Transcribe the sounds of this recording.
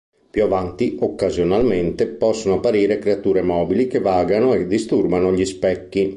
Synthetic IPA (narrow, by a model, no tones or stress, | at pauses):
pjuavant̪iokːazjonalment̪epɔsːonoapːaɾiːɾekɾeat̪uːɾemɔːbilikevaːɡanoɛd̪ist̪urbanoʎispɛkːi